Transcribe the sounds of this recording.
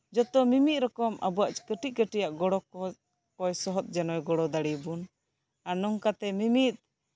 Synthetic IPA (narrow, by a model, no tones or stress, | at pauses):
d͡ʒɔt̪ɔmimit̪̚ɾɔkɔmʔabɔaʔt͡ʃkəʈiʔ̚kəʈijaʔɡɔɽɔ | kɔjsɔɦɔt̪̚d͡ʒɛnɔjɡɔɽɔd̪aɽibun | anɔŋkat̪ɛmimit̪̚